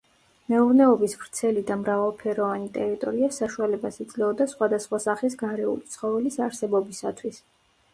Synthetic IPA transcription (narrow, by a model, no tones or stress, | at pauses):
mɛuɾnɛɔbisvɾt̪sʰɛlid̪amɾavalˠpʰɛɾɔvanit̪ʼɛɾit̪ʼɔ̰ɾiasaʃualɛbasid̪zlɛɔd̪asχwad̪asχwasaχis̬ɡaɾɛṵlit̪sʰχɔvɛlisaɾsɛbɔbisat̪ʰwis